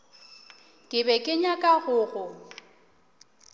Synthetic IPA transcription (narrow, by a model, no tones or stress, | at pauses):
kʼɪbɛkʼɪɲakʼaɣʊːɣʊ